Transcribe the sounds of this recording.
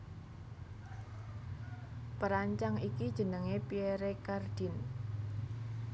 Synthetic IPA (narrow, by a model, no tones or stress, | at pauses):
pəɾaɲt͡ʃaŋikid̥ʒ̥ə̤nəŋepieɾekard̪̥i̤n